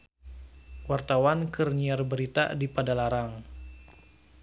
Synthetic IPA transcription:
wart̪awankərniarbəɾit̪a̰dipadalaɾaŋ

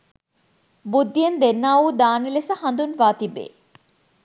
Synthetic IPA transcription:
bud̪ːijend̪enːaːʋuːd̪aːnilesəhɐnd̪unʋaːt̪ibːḛː

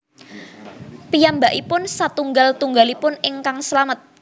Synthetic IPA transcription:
pijambaʔipʊnsat̪uŋɡalt̪uŋɡalipʊnɪŋkaŋslamət̪̚

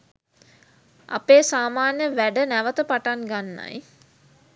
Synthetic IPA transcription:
a̰peːsaːmaːnjəʋæɖənæʋət̪əpaʈaŋɡanːa̰j

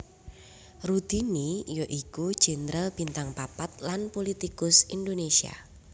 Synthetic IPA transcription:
rut̪inijoʔikud̥ʒ̥ɛ̤nɾəlb̥i̤nt̪aŋpapat̪̚lanpolit̪ikʊsind̪onesia̰

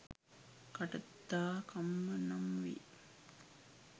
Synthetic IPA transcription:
kɐʈɐt̪ːaːkɐmːɐnɐmʋḭ

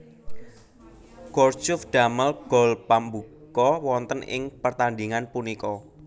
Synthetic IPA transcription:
ɡ̥ɔr̥d͡ʒʊfɖ̥a̤məlɡ̥ɔ̤lpambukkɔwɔnt̪ənɪ̰ŋpərt̪and̪iŋanpunikɔ

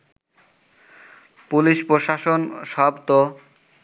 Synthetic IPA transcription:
puliʃpɾoʃaʃonʃɔbt̪o

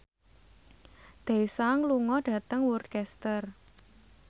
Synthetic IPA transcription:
d̪̥e̤saŋluŋɔɖ̥ä̤t̪əŋwurkɛst̪ər

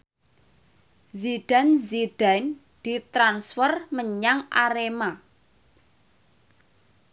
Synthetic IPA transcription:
ziɖ̥a̤nziɖ̥an | d̪̥i̤t̪ɾansfərməɲaŋʔaɾema

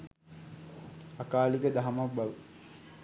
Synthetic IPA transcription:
akaːlikəd̪aɦamak̚baʋu

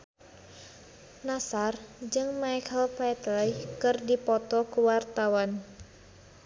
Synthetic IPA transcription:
nasard͡ʒɨŋmajkʰəlpɛt̪lɔkɨrdipɔt̪ɔkuwart̪awan

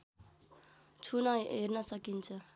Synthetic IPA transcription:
t͡ʃʰunaɦeɾnʌsəkint͡sʰʌ

